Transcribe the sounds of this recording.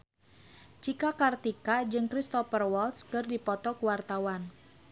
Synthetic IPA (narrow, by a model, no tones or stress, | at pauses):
t͡ʃikakart̪ikad͡ʒɨŋkɾist̪ɔfərwɔlt̪skɨrdipɔt̪ɔkuwart̪awan